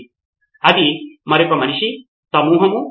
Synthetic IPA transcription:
ɐd̪imɐɾokːɐmɐniʂi | sɐmuːɦɐmu

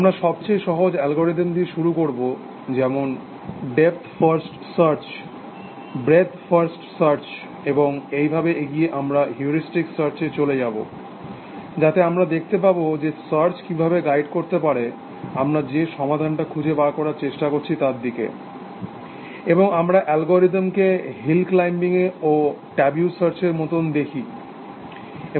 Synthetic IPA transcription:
amɾaʃɔb̚t͡ɕejʃɔɦod͡ʑɛlɡoɾeɖend̪iɾʃuɾukoɾbo | d͡ʑɛmon | ɖep̚t̪ʰfaɾsʈsaɾt͡ɕ | bɾet̪ʰfaɾsʈsaɾt͡ɕ | eboŋejbʱabeeɡijeʔamɾaɦjuɾisʈiksaɾt͡ɕet͡ɕoled͡ʑabo̰ | d͡ʑat̪eamɾad̪ek̚ʰt̪epabod͡ʑesaɾt͡ɕkibʱabeɡajɖkoɾt̪epaɾe | amɾad͡ʑeʃɔmad̪ʱanʈakʰud͡ʑʱebaɾkɔɾaɾt͡ɕeʃʈakoɾt͡ɕʰit̪aɾd̪ikḛ | eboŋamɾaʔɛlɡoɾit̪mkeɦilklajmbiŋeoʈɛbjusaɾt͡ɕeɾmot̪ond̪ekʰi | e

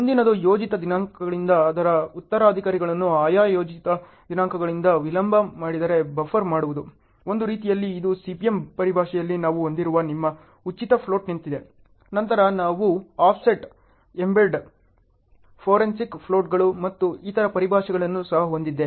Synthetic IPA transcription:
mund̪inɐd̪ujo̞ːd͡ʒit̪ɐd̪inaːŋkʰɐɡɐɭind̪ɐːd̪ɐɾɐut̪ːɐɾaːd̪ʱikaːɾiɡɐɭɐnːuaːjaːjoːd͡ʒit̪ɐ | d̪inaːŋkʰɐɡɐɭind̪ɐʋilɐmbʱɐmaːɽid̪ɐɾe̞bɐfʰɐɾmaːɽuʋud̪u | o̞nd̪uɾiːt̪ijɐlːiːd̪usipijempɐɾibʱaːʃɛjɐlːinaːʋuond̪iɾuʋɐnimːɐ | ut͡ʃːit̪ɐpʰlo̞ːʈnint̪id̪e̞ | nɐnt̪ɐɾɐnaːʋuaːpʰseʈ | embelɖ | pʰoːɾensikpʰlo̞ːʈɡɐɭumɐt̪ːuiːt̪ɐɾɐpɐɾibʱaːʂɐɡɐɭɐnːusɐɦɐɦo̞nd̪id̪ːe

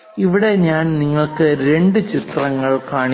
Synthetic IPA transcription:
iʋiɽe̞ɲaːnniŋːɐɭkɨɾe̞ɳɖɨt͡ɕit̪rɐŋːɐɭkaːɳi

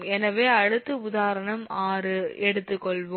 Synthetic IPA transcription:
ɛnɐʋeːɐɽɯt̪ːɯʊðaːɾɐɳɐmaːɾɯɛɽɯt̪ːɯkːɔɭʋo

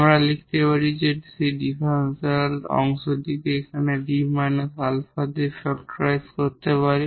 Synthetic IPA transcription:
mɾalikʰt̪epaɾid͡ʑeʈsiɖifeɾenselɔ̰ŋʃod̪it̪eekʰaneɖimajnsalfad̪eɾt͡ʃɔkʈɾajskoɾt̪epaɾi

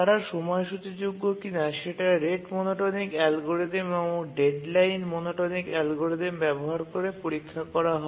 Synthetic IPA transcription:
t̪aɾaɾʃɔmɔeʃut͡ɕed͡ʑuɡːokinaʃeʈaɾeʈmonoʈonikɛlɡoɾed̪emoɖeɖlajnmonoʈonikɛlɡoɾed̪embɛboɦaɾkoɾepoɾikʰːakɔɾaɦɔ

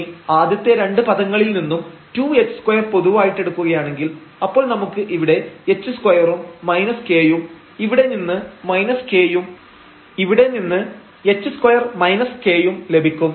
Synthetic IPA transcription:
aːd̪jɐt̪ːeɾe̞ɳɖɨpɐðɐŋːɐɭilninːumtuːe̞t͡ɕːɨ̥skwɐjɐrpo̞ðuʋaːjiʈːe̞ɽukːuɣɐjaːɳe̞ŋɡilɐpːo̞ːɭnɐmukːɨʔiʋiɽe̞et͡ɕːɨskwɐjɐrumːɐjnɐske̞ːjum | iʋiɽe̞ninːɨmɐjnɐske̞ːjum | iʋiɽe̞ninːɨ | e̞t͡ɕːɨskwɐjɐrmɐjnɐske̞ːjumle̞bʱikʲːum

